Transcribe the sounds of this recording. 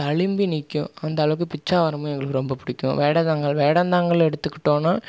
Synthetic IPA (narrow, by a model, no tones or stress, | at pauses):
ɐɭɪmbinɪkːʊ̃ɐnd̪ɐːlɐʋɯk̬ːɯpɪt͡ʃːaːʋɐɾɐmɐ̃ɛŋɡɐɭɯkːɯɾɔmbɐpʊɽɪkʲːʊ̰̃ʋeːɽɐd̪aːŋɡɐɭʋeːɽɐnd̪aːŋɡɐɭɛɽɯt̪ːɯkːɪʈːõːnaː